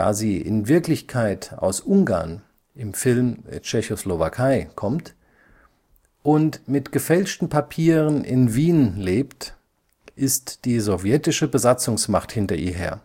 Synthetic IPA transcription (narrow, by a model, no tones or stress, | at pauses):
da̰ːziːʔɪ̰nvɪɐklɪçkʰaɪtʔa̰ʊsʔʊŋɡa̰ɐn | ʔɪmfɪlmt͡ʃɛçoslovakʰaɪkʰɔmt | ʔʊntmɪtɡ̥əfɛlʃtn̩pʰapʰiːʁənɪ̰nviːnleːpt | ʔɪstd̥iːzɔvjɛtɪʃəbəzat͡sʊŋsmaχthɪntɐʔiːɐɦḛːɐ